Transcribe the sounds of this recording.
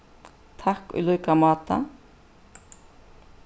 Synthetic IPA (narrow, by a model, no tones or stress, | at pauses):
t̪ʰakʊ̰jlɔjkamaːt̪a̰